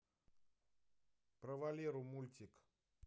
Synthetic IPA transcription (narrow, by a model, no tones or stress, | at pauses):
pɾɐvalʲiɾumulʲt̪ʲik